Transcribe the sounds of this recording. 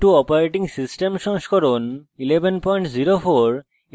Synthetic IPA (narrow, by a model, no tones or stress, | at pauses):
ʈuɔpaɾeʈiŋsisʈemʃɔŋskʰɔɾonilebʱenpɔjɳʈziɾofoɾ